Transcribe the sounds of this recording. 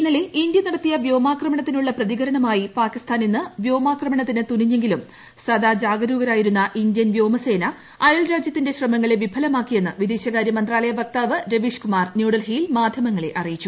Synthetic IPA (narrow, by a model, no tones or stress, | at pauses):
pinːɐle̞ʔindjɐnɐɽɐt̪ːijɐʋjo̞ːmaːkrɐmɐɳɐt̪ːinuɭːɐprɐðiɣɐɾɐnɐmaːjipaːkist̪ʰaːninːɨʋjo̞ːmaːkrɐmɐɳɐt̪ːinɨt̪uniɲːe̞ŋɡilum | sɐd̪aːd͡ʑaːɡɐɾuːɣɐɾaːjiɾunːɐʔindjɐnʋjo̞ːmɐse̞ːnɐ | ɐjɐlɾaːd͡ʑjɐt̪ːinde̞ɕrɐmɐŋːɐɭeʋibʱɐlɐmaːkːije̞nːɨʋid̪eːɕɐɣaːɾjɐmɐnd̪raːlɐjɐbɐk̚t̪aːʋɨɾeʋiʂkumaːrnjuːɽɐlɦijilmaːd̪ʱjɐmɐŋːɐɭe̞̰ʔɐrijit͡ɕːu